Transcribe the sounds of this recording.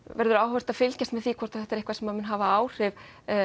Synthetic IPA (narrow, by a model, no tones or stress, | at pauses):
vɛɾðʏɾaːwhvɛr̥t̪aðfɪlcast̪mɛðθiːkʰvɔɾ̥t̪aθɛht̪ɛɾehkvaɾsɛmaðmʏnɦaːvaaːwr̥ɪv